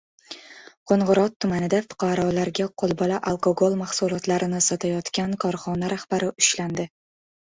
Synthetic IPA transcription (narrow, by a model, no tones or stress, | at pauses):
qʰoɴʁʊɾɒt̪ʰːʊmanɪd̪afʊ̥qʰɑɾɒlaɾɡʲaqʰolˠbɒlaʔalˠkoɡolˠmaχsulˠɒt̪laɾɪnɪsɒt̪ʰajɒt̪kʲankʰɒɾχɒnaɾahb̥aɾɪʔʊʃland̪ɪ